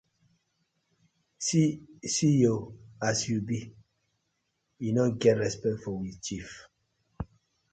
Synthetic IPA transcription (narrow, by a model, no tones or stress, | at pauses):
sisijoasjubi | junɔɡɛtɹɛspɛk̚tfɔwit͡ʃif